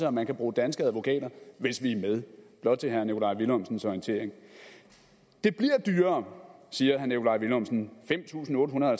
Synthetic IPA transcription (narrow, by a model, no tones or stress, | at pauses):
səɒmːænkʰæb̥ʁuːd̥ænsɡ̥æðˠʋo̝kʰɛ̰ːd̥ɐʋe̝sʋimeð̞ˠb̥lɒ̽d̥̚ˠt͡sʰe̝ɦæɐnekʰo̝lɑ̈ɪ̰ʋilɔmsn̩sɒint͡sʰe̝̰ɐ̰eŋ | d̥e̝b̥liɐd̥yːɐːsiːɐɦæɐnekʰo̝lɑ̈ɪʋilɔmsn̩fem̰t͡sʰṵːsn̩ɔ̽ːdəɦunɐðˠhælt͡sʰ